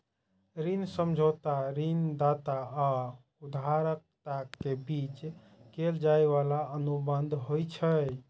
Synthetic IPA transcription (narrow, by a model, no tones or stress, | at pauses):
ɾinsəmd͡ʒʱot̪aɾind̪at̪aa | ud̪aɾək̚t̪akebit͡ʃ | keld͡ʒaeβalaənubənd̪ʱɦojt͡ʃʰə